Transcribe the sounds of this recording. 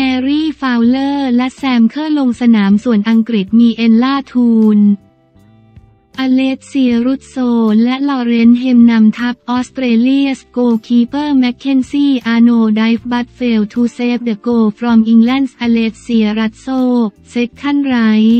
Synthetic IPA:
mɛː˧ɾiː˥˩faː˧wlɤː˥˩lɛ˦˥ʔsɛː˧mkʰɤː˥˩lo˧ŋsa˧naː˩˦msu˨˩ənʔa˧ŋkɾi˨˩t̪̚miː˧ʔe˧nlaː˥˩t̪ʰuː˧n | ʔa˧leː˦˥t̪̚si˧ɐɾu˦˥t̪̚soː˧lɛ˦˥ʔlɔː˧ɾe˧nɦe˧mna˧mt̪ʰa˦˥p̚ʔɔː˦˥st̪ɾeː˧li˥˩əskoː˧kʰiː˧˥pɤː˥˩mɛ˦˥kʰːe˧˥nsiː˥˩ʔaː˧noː˧da˦˥jfba˦˥t̪̚feː˧wt̪ʰuː˧seː˦˥p̚dɤ˨˩koː˧fɾɔː˧mʔi˧ŋlɛ˥˩nsʔa˧leː˦˥t̪̚si˧ɐɾa˦˥t̪̚soː˥˩k̚se˦˥k̚kʰːa˥˩nɾa˦˥j

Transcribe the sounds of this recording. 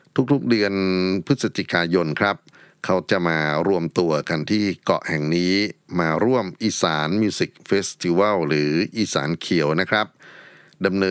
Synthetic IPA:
t̪ʰu˦˥k̚t̪ʰu˦˥k̚dɯ˧ənpʰɯ˦˥sa˧t͡ɕi˨˩kaː˧jo˧nkʰɾa˦˥p̚ | kʰa˦˥wt͡ɕa˨˩maː˧ɾu˥˩əmt̪u˧ɐka˧nt̪ʰiː˥˩kɔ̰˨˩ʔhɛ˨˩ŋniː˦˥maː˧ɾu˥˩əmʔiː˧saː˩˦nmuː˧si˨˩k̚feː˦˥st̪ʰi˧wa˥˩wɾɯː˩˦ʔiː˧sa̰ː˩˦nkʰi˩˦wna˦˥kʰɾa˦˥p̚ | da˧mnɤː˧

